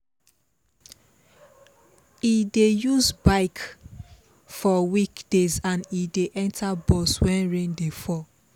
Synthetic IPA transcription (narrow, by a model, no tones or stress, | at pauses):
idejuzbaɪk | fɔwikd̥ezãnideʔɛ̃ntʰabɔswɛ̃nɹẽndefɔ